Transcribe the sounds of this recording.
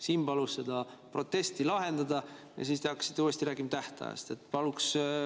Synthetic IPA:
siːmpɑlusse̞d̪ɑpro̞t̪ːˑe̞st̪ilɑɦe̞nd̪ɑd̪ɑ | jɑ̰siːst̪eɑkːɑ̥si̥t̪ːˑuːest̪iɾæːɡ̥imɑt̪æht̪ɑ̰jḛst̪e̞t̪ːˑpɑluks

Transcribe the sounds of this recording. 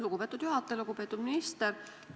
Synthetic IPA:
luɡupe̞ːt̪ːˑud̪̥juɦɑt̪ˑːeluɡupeːt̪ːˑud̪minist̪eɾ

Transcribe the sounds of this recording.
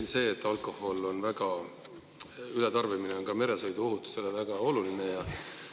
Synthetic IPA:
nse̞ːt̪ːˑɑlkˑo̞ho̞lo̞nvæɡ̥ɑ | ylet̪ɑrvimineonkɑme̞ɾe̞sɤjd̪uo̞ɦut̪ːˑu̥se̞levæɡ̥ɑo̞lulinejɑ

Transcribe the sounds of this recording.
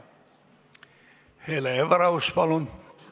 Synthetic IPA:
heleeʋɑɾɑuspɑlon

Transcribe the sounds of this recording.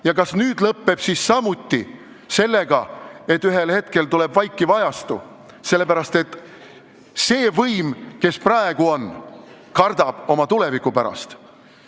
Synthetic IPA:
jɑkɑsnyːd̪lɤpːe̞b̥sissɑmut̪ːi | se̞lːe̞ɡ̥ɑe̞t̪ːyɦe̞lhe̞t̪ke̞lt̪ule̞bvɑjkːˑivɑjɑst̪ṵ | se̞lːe̞pæɾɑst̪e̞t̪ː | se̞ːvɤjmke̞sprɑeɡ̥uo̞n | kɑrd̪̥ɑb̥o̞mɑt̪ule̞vikːˑupæɾɑ̰st̪

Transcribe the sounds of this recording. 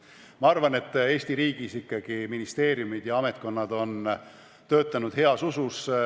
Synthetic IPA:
mɑɑrvɑne̞t̪ːe̞ːsʲt̪iɾiːɡ̥isikːɑɡ̥iminist̪e̞ːɾjumid̪̥jɑɑme̞t̪̚ko̞nːɑd̪o̞n | t̪ø̞ːt̪ːˑɑnud̪̥he̞ɑsusus

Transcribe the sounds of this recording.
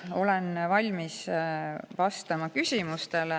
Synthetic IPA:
o̞lenvɑlʲmis | vɑst̪ɑmɑkysʲimust̪ele

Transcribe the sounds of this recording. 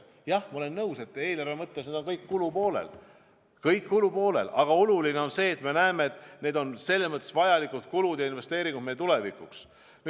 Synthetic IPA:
jɑhmɑolenːɤwse̞t̪ːˑe̞ːlærvemɤt̪ːesned̪o̞nkɤjkːulupo̞ːlḛl | kɤjkːulupo̞ːle̞̰lɑɡ̥ɑo̞luline̞o̞nse̞ːt̪ːme̞næeme̞et̪ːˑne̞ːd̪o̞nse̞lːesmɤt̪ːˑesvɑjɑlikut̪kulud̪̥jɑinve̞st̪eːɾiŋɡud̪mejet̪ule̞vikˑuks | n

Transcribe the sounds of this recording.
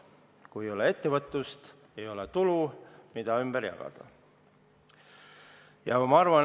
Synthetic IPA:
kujejo̞lee̞t̪ːe̞vɤt̪ːˑust̪ | ejo̞let̪ulumid̪̥ɑymb̥eɾjɑ̰ɡ̥ɑ̰d̪̥ɑ̰ | jɑmɑɑrvɑ

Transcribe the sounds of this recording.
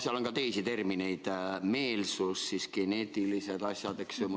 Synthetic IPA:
sjɑlo̞nkɑt̪e̞jsit̪e̞rmine̞jd̪̥me̞ːlsusːisɡ̥e̞ne̞ːt̪ˑilise̞d̪̥ɑsʲjɑd̪eksom

